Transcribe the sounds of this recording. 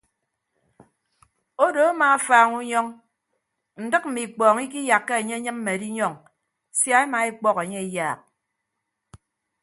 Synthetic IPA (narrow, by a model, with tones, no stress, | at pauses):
o˦do˨a˦ma˨a˦faː˨ŋu˦ɲɔ˦ŋ | n̩˨dɨ˦k̚m̩˨mi˨k͡pɔː˨ŋi˦k̬i˦ja˨kːe˦e˨ɲe˦ɲɨ˦m̩˦me˨di˦ɲɔ˦˨ŋ | sja˦e˦ma˨i˦k͡pɔ˦ke˨ɲe˦i˦jaː˨k̚